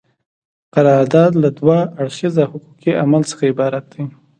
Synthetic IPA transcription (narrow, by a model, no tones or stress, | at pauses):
qaɾɑɾd̪ɑd̪lad̪wɑaɽxizahʊqukiʔamalsə̥xaɪbɑɾat̪̚d̪i